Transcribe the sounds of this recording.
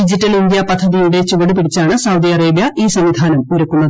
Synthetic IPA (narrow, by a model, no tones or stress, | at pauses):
id͡ʑitːɐlind̪jɐpɐd̪ʰʱːɐðijuɽe̞t͡ɕuʋɐɽupiɽit͡ɕːaːɳɨsɐwd̪iɐreːbjɐiːsɐmʋid̪ʱaːnɐmuɾɐkːunːɐð